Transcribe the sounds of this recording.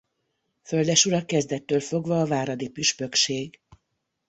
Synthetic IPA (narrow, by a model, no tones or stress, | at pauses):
fø̞ld̪ɛʃuɾɒkɛzd̪ɛt̪ːøːlfo̞ɡvɒːvaːɾɒd̪ipyʃpø̞kʃeːɡ